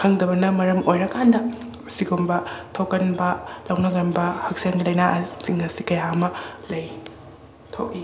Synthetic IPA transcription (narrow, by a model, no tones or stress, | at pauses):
kʰɐŋdɐbɐnɐmɐɾɐmojɾɐkandɐ | ɐsiɡumbɐtʰokːɐnbɐlɐwnɐɡɐnbɐhɐk̚sɐŋɡilɐjnaʔsiŋɐsikɐjaɐmɐlɐj | tʰo̰k̚i